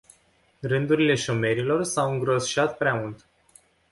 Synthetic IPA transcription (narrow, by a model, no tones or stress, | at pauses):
rɨnd̪uɾile̞ʃo̞me̞ɾilo̞rsawɨŋɡɾo̞sʃat̪̚pɾeamult̪